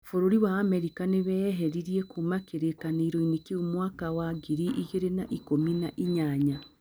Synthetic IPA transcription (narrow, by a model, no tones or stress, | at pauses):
foɾoɾiwaːmɛɾikaneβɛɦɛɾiɾiekuːmakeɾekaneiɾoinekeumwakawaɡiɾiʔiɣeɾenaʔikominaʔiɲaɲa